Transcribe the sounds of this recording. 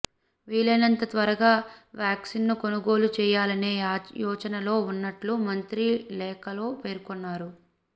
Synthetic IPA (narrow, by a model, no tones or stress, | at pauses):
ʋiːɭɐnɐnt̪ɐt̪ʋɐɾɐɡaːʋjaːksinːuko̞nuɡo̞ːlut͡ʃɛːjaːlɐne̞ːjɔːt͡ʃɐnɐlo̞ːunːɐʈlumɐnt̪ɾilɛːkɐlo̞ːpe̞ːɾkɔnːaːɾu